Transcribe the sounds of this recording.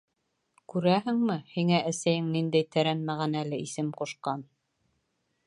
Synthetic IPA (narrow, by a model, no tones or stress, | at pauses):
kʉɾæhɘŋmɘhiŋæʔæsæjɘŋnind̪æjt̪æɾænmæʁænælɘʔisɘmquʃqɑn